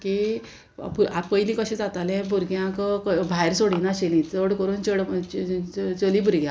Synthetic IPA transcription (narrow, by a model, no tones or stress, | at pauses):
kḛ | puɾapəjlĩkəɕẽd͡zat̪alɛ̃buɾɡjãkəkbʱajɾsoɽĩnaɕelĩt͡səɽkəɾuːnt͡ɕəɽ | t͡səlĩbuɾɡjã